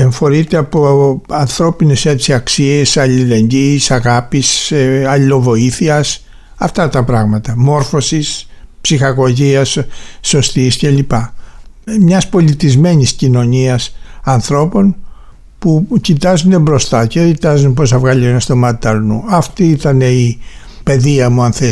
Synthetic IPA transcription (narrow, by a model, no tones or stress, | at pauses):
eɱfo̞ɾit̪eɐpo̞ɐnθɾo̞pine̞sɐt̪isiɐksie̞sɐlile̞ɲɟiːsɐɣɐpiseɐlilo̞vo̞iθiɐs | ɐft̪ɐt̪ɐpɾɐɣmɐt̪ɐmo̞ɾfo̞sispsixɐɣo̞ʝiɐsːo̞st̪isce̞lipɐ | mɲɐspo̞lit̪izme̞ɲiscino̞ɲiɐsɐnθɾo̞po̞n | pucit̪ɐzune̞bɾo̞st̪ɐcecit̪ɐzunepo̞s̬ɐvɣɐlienɐst̪o̞mɐt̪it̪ɐɾnuɐft̪iit̪ɐne̞i | pe̞ðiɐmuɐnθe